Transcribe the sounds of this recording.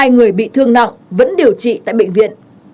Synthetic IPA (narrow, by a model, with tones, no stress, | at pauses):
aː˧jŋɨ˨˩əjɓḭ˧˨t̪ʰɨ˧əŋna̰˧˨ŋvə̰˧˥nɗi˨˩əwt͡ɕḭ˧˨t̪a̰ː˧˨jɓḛ˧˨jŋ̟vḭ˧˨ən